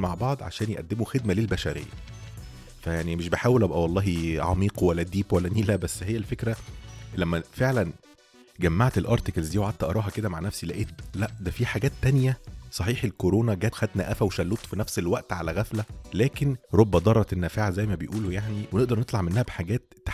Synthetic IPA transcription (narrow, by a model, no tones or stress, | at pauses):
maʕbɑʕd̪ˤʕa̰ʃæːnjeʔæ̰d̪ːemoxed̪mælelbæʃæɾḛjːæ̰ | fæjaʕnimeʃbeħaːwelʔæbæʔæwɑlˤːɑːɦiʕɑ̰miːqwælːæd̪iːbwælːæniːlæbæsːɦejːælfekɾælæmːæfeʕlæn | ɡæmːaʕt̪elʔɑɾt̪ekælzd̪iːwʕadt̪ːæʔɑɾˤɑːɦɑked̪æmaʕnæfsilæʔeːt̪̚læʔd̪æfiħaɡæːt̪ːænjæsˤɑħiːħelkoɾoːnɑɡæːt̪xæd̪næʔæfæweʃælːoːt̪ˤfinæfselwæʔt̪ʕa̰læɣæflælæːkenɾˤobːɑd̪ˤɑrˤːɑt̪ʔenːæfaʕzæjːmæbejʔuːlojaʕniweneʔd̪ɑɾˤnet̪ˤlɑʕmenːæhæbeħaɡæːt̪ː